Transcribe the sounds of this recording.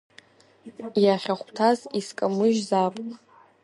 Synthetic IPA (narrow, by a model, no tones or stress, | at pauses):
jaχʲaχʷtʰaziskʼamɨʒzapʼ